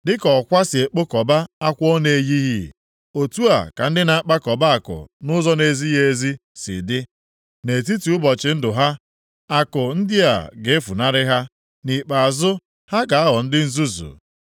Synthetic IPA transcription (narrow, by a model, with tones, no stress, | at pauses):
dɪ˦kɔ˨kʷa˦sɪ˨e˨k͡po˦kɔ˨ba˦a˦kʷɔ˦ne˨e˨ji˦ɦi˦˨ | o˨tu˦a̰˨ka̰˨n̩˦dɪ˦na˨a˦k͡pa˦kɔ˨ba˦a˨kʊ̰˨nʊ˦zɔ˦ne˨zi˦je˦zi˦sɪ̰˨dɪ˦ | ne˨t̬i˦tu˨˦ʊ˦bɔ˨t͡ʃɪ˨˦n̩˦dʊ˨ɦa˦ | a˨kʊ˨n̩˦dɪ˦a̰˨ɡe˨e˦fu˨na˦ɾɪ˦ɦa˦ | ni˨k͡pa˨a˨zʊ˦ | ha˦ɡa˨a˦ɦɔ˨n̩˦dɪ˦n̩˦zu˦zṵ˨